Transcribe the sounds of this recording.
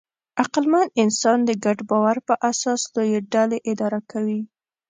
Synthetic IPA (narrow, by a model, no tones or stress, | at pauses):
aqlmanɪnsɑnd̪əɡaɖbɑwaɾpəʔasɑslojeɖaleʔɪd̪ɑɾakawi